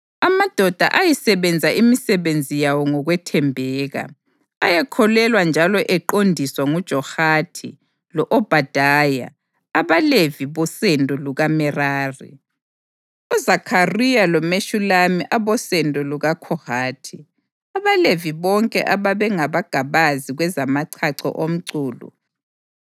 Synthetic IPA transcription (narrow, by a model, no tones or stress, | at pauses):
amad̥ʱɔd̥ʱa̰ʔajisɛβɛnd͡zʱaʔimisɛβend͡zʱijawɔŋɔɣwɛtʰɛmbʱɛːɣa̰ | ajɛkʰɔlɛlwand͡ʒʱalɔʔɛǃondʱiswaŋud̥ʒ̥ʱɔhatʰḭ | lɔʔɔb̥ʱad̥ʱaja̰ː | βaleviβɔsɛndʱʼɔluɣamɛraːrḭ | uzakʰarijalɔmeʃulamiʔaβɔsɛndʱʼɔluɣakʰɔhaːtʰi | aβaleviβɔŋkʼɛ̰ʔaβaβɛŋaβaɡ̥ʱaβaziɣwɛzamaǀʰaǀɔ̰ʔom̩ǀuːlṵ